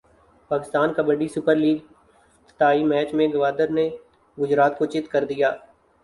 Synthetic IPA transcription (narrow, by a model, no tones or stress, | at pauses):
paːkɪst̪aːnkabəɖisʊpəɾliːɡ | t̪t̪aːimɛːt͡ʃmẽɡɐʋaːd̪əɾne | ɡʊd͡ʒɾaːt̪kot͡ʃɪt̪kɐɾd̪ijaː